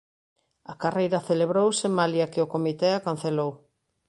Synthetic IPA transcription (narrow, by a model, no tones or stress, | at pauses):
ɐkarejɾɐθeleβɾowsemaljɐkɪʊkomit̪ɛakan̟θelow